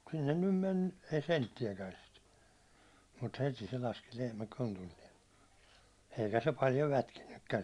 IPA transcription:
sinːen nym menːu ei sentːiækæn̞ sit mut heti se lɑski lehmæ kontulːiɛn eikæ se pɑljo lætkinːykːæn̞

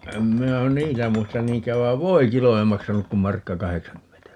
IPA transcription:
em minæ niːtæ muistɑn niːŋkˑæːʋ ʋɑi̯ʋ ʋoikilo ei mɑksɑnuk kum mɑrkːɑ kɑheksɑŋkymːentæ

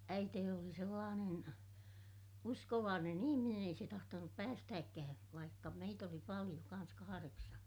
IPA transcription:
æiteːni oli selːɑːnen uskoʋɑːnen ihiminen ei se tɑhtonup pæːstæːkːæː ʋɑikːɑ meit oli pɑlij̆o kɑn̞s kɑhɑreksɑn̞

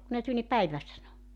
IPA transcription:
ku ne tul ni pæiʋæ sɑno

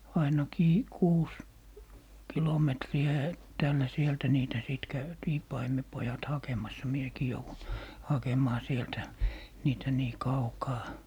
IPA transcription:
ɑinɑkiː kuːs kilometriæ etːæːlːæ sieltæ niːtæ siˑt kæytiː pɑimepojɑt hɑkemɑsːɑ miekiː jouʋun hɑkemˑɑː sieltæ niːtæ niː kɑukɑː

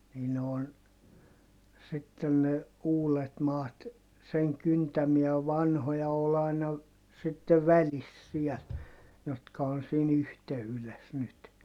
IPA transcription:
niː ne on sitːen ne uːlet mɑːt seŋ kyntæmiæ ʋɑnhojɑ ol ɑinɑ sitːe ʋælis siɛl jotkɑ on̞ siːn yhteyles nyt

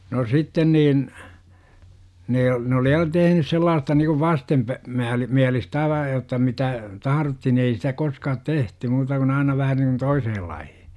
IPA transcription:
no sitːen niːn ne ne oli jɑ tehnys selːɑːstɑ nikuʋ ʋɑstempæ mæːl miælistæ ɑiʋɑ jotːɑ mitæ tɑhɑrotːi ni ei sitæ koskɑːt tehty muːtɑ kun ɑinɑ ʋæhæ niŋkun toisehel lɑihi̥

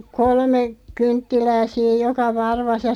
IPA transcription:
kolme kyntːilæː siːj̆ jokɑ ʋɑrʋɑs jɑ

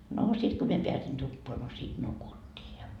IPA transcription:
noː sit ko mie peæsin tupːoɑ no siːt nukutʲːiː jɑ

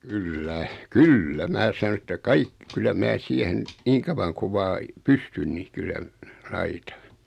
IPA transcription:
kylːæ kylːæ mæː sɑ̆no etːæ kɑik kylːæ mæː siehen niːŋ kɑʋɑŋ kuʋ̆ ʋɑː pystyn ni kylːæ lɑitɑ̥

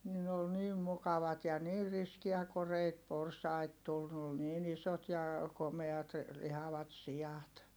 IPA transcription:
ni ne ol niːm mukɑʋɑt jɑ niːr riskiæ koreit porsɑit tul ne ol niːn isot jɑ komeɑt lihɑʋɑt siɑt

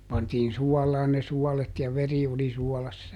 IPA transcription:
pɑntiːn suɔlɑːn ne suɔlet jɑ ʋeri oli suɔlɑsːɑ

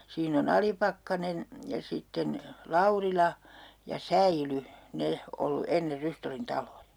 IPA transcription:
siːn on ɑlipɑkːɑnen jɑ sitːen lɑurilɑ jɑ sæily ne olːu enːer rystolːin tɑlojɑ

